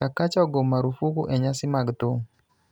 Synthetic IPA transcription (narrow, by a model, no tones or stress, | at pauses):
akat͡ʃaɡomaɾufukuʔɛɲasɪmaɡt̪o